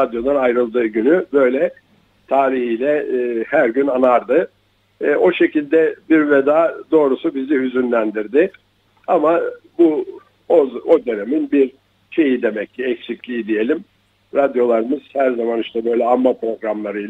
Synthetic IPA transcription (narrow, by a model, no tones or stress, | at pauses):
ɾad̪jo̞d̪ˠanajɾɯlˠd̪ɯːɟynybø̞jlʲɛ | t̪ʰaːɾihijlʲɛːhæɾɟynanaɾd̪ɯ | o̞ʃe̞cilʲd̪ɛbiɾvɛd̪aːd̪o̞ːɾusubizihyzynlʲænd̪iɾd̪ɪ | ama | bu | oo̞d̪ø̞ne̞minbiɾ | ʃʰe̞jid̪e̞mɛccʰːiɛcsiclʲiːid̪ije̞lʲim | ɾad̪jo̞lˠaɾɯmɯz̥hæɾzamaniʃt̪ʰɛbø̞jlʲɛamːapɾo̞ɡɾamlˠaɾɯjla